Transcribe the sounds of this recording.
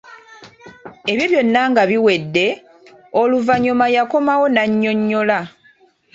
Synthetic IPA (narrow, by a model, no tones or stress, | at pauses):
e̞βjoβjo̞nːaŋɡaβiwe̞dːe̞ | oluvaɲumajako̞mawo̞naɲːo̞ɲːo̞la